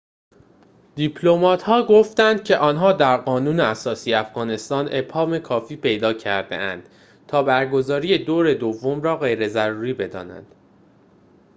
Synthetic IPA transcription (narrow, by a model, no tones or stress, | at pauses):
d̪̥ipʰlo̞mɒːt̪ʰhɒːɡo̞ft̪ænd̪̥̚cʰe̞ʔɒːnɦɒːd̪æɾɢɒːnuːneæsɒːsijeæfɣ̥ɒːne̞st̪ɒːne̞phɒːme̞kʰɒːfiːpʰe̞jd̪ɒːcʰæɾd̪e̞̰ʔænd̪̥ | t̪ʰɒːbæɾɡo̞zɒːɾije̞d̪oːɾe̞d̪ovːo̞mɾɒːɣe̞jɾe̞zæɾuːɾiːbe̞d̪ɒ̰ːnæ̰nd̪̥